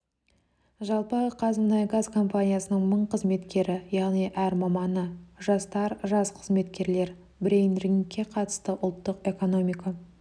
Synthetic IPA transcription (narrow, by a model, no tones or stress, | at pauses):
ʒɑlˠpəqʰɑzəmənɑjɡazkʰo̞mpanʲijasənəɴməɴqʰəzme̞t̪kʲe̞ɾɪjɑʁnijʔæɾmɑmɑnəʒɑst̪ɑɾʒɑsqʰəzme̞t̪kʲe̞ɾle̞ɾ | bɪɾejnriŋkʲʰːe̞qʰɑt̪ə̥st̪əʔʊlˠt̪ːəqe̞ko̞no̞mʲijkɑ